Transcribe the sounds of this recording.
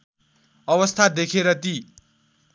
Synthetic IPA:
ʌbʌst̪ʰad̪ekʰeɾʌt̪i

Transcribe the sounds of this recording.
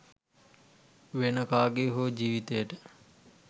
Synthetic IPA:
ʋenəkaːɡeɦoːd͡ʒiːʋit̪ejəʈə

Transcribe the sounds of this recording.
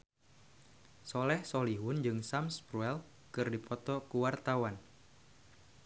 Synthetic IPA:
sɔlɛhsɔliɦʊnd͡ʒɨŋsamspɾuɛl | kɨrdipɔt̪ɔkuwart̪awan

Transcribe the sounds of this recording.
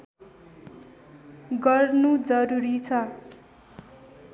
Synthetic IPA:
ɡʌrnud͡zʌɾuɾit͡sʰʌ

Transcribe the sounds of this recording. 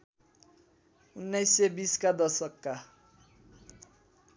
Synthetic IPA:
unːajsebiskad̪ʌsʌkːa

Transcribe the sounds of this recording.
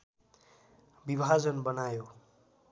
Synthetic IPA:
bibʱad͡zʌnbʌnajo

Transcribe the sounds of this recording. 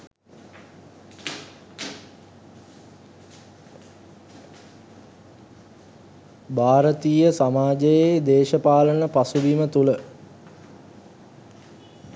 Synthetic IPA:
bʱaːɾət̪iːjəsamaːd͡ʒəjed̪eːʃəpaːlənəpasuʋimət̪ulə

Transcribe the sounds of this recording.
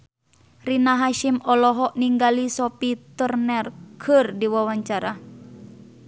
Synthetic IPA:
rinaɦaʃimɔlɔɦɔʔniŋɡalisɔpit̪ərnɛrkʰɨrdiwawaɲt͡ʃaɾa

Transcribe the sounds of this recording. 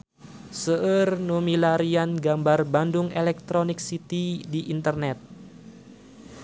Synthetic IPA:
səʔərnumilaɾianɡambarbandʊŋelɛk̚t̪ɾonɪk̚sit̪idiʔint̪ərnɛt̪̚

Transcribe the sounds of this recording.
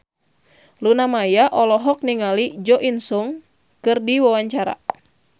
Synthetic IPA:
lunamajaʔɔlɔɦɔk̚niŋalid͡ʒɔʔinsuŋ | kɨrdiwawaɲt͡ʃaɾa̰

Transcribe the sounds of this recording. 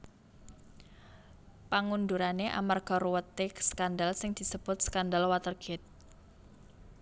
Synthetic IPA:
paŋunduɾaneʔa̰marɡ̥a̤ɾuwət̪ɪksə̥kandalsɪŋd̪̥i̤səb̥ʊt̪̚sə̥kandalwat̪ərɡ̥ɛt̪̚

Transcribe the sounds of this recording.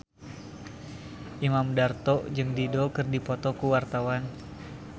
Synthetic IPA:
ʔimamdart̪ɔʔd͡ʒɨŋdidokɨrdipɔt̪ɔkuwart̪awan

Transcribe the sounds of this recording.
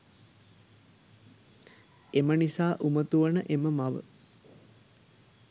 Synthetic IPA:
emənisaːʔumət̪uʋənəʔeməmaʋə̰

